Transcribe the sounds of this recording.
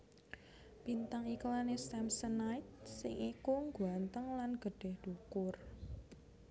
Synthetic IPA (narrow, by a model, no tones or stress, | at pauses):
pint̪aŋiklanest̪ɛmsənajt̪̚sɪŋikuŋɡuant̪əŋlanɡ̥ə̤ɖ̥ɛ̤hɖ̥ukʊr